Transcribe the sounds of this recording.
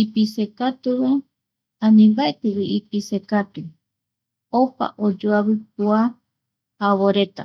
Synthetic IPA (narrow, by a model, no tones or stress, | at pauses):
ipisekat̪uβe | ãnĩmbaet̪ewiipisekat̪u | opa̰ʔod͡ʒoaβɨp̚ua | haβoɾe̞t̪a̰